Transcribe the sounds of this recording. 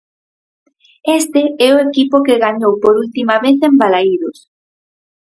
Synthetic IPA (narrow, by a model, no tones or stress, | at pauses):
est̪ɪɛʊekipʊkɪɣaɲowpoɾult̪imaβeθembalaiðʊs